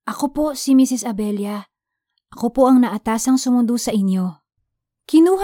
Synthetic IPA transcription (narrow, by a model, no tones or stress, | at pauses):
ʔɐko̞po̞simisɪsɐbɛljɐ | ʔɐkopoʔɐŋnɐʔɐt̪aːsɐŋsʊmʊnd̪usɐʔɪnjo̞ | kɪnuːh